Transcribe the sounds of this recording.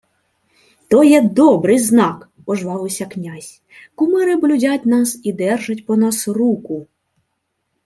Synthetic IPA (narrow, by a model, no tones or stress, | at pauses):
t̪ɔjɛd̪ɔbɾɪjznɑk | pɔʒʋɑʋɪwsʲɐknʲazʲ | kʊmɪɾɪblʲʊdʲatʲnɑsid̪ɛrʒɐtʲpɔnɑsrukʊ